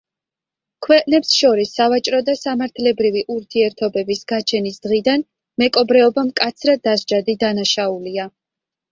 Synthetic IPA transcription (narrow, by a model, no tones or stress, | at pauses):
kʰwɛqʼnɛpsʃɔɾisːavat͡ʃʼɾɔd̪asamaɾt̪ʰlɛbɾiviʔuɾt̪ʰiɛɾt̪ʰɔbɛbisɡ̥at͡ʃʰɛnisd̪̥ʁid̪an | mɛkʼɔbɾɛɔbamkʼat̪sʰɾad̪azd͡ʒad̪id̪anaʃaulia